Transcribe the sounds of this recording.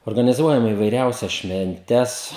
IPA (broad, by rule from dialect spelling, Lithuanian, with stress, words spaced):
oːrɡɐnʲɪˈzuɔjɛm iːʋɐɪˈrʲɛʊsʲɛs ʃʲʋʲɛnʲˈtʲɛs